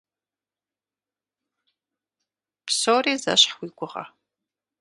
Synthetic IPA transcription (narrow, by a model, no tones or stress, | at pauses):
psoːriːzɐ̰ɕħwiːɡʷʊʁɐ̰